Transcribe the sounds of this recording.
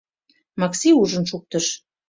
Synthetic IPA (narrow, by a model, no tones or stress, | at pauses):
mɑksiuʒə̆nʃuk̚t̪ə̆ʃ